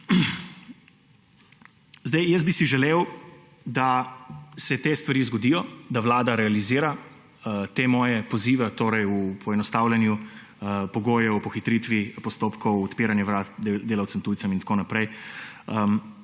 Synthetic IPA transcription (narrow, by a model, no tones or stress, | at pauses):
zd̪ɛjjəs̚bisiʒɛleːw | d̪a | sɛt̪eːst̪ʋaɾizɡɔd̪iːjɔd̪aʋlaːd̪aɾɛaliziːɾa | t̪eːmɔːjɛpɔziːʋat̪oːɾɛjupʰɔɛnɔst̪awlʲɛnju | əpɔɡoːjɛɔpɔxit̪ɾit̪ʋipɔst̪oːpkʰɔwɔt̪piːɾanjɛʋɾat̪d̪d̪eːlawt̪səmt̪uːj̪sɐmint̪koːnapɾɛjəm